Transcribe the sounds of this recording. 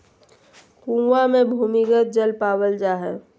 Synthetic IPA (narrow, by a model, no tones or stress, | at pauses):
kũwamẽbʱuːmɪkət̪̚d͡ʒəlpaːwəld͡ʒaːɦɛː